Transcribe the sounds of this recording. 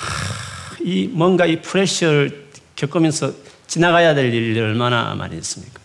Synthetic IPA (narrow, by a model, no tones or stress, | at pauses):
imʌnɡaipʰuɾeɕɯɾɭkjʌk͈ɯmjʌnsʰʌ | t͡ɕinaɣajadeɭiɯɭmana̰ma̰ɾḭs͈ɯ̥mɲik͈ḁ